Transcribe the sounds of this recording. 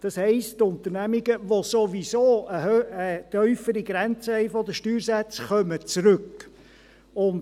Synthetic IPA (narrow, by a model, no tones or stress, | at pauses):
d̥ɑshɛɪsttʊnt̪ənæmiɡəʋosoʋisoːəhøət̪œʏfəɾiɡɾænt͡səɛɪfɔd̪əʃtyːɾsæt͡sχœmət͡sɾɵk | ʊnd